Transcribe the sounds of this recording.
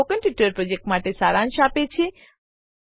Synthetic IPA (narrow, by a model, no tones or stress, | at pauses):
okə̃npjuʈəɾpɾod͡ʒek̚ʈmaʈesaɾãnʃapet͡ʃʰe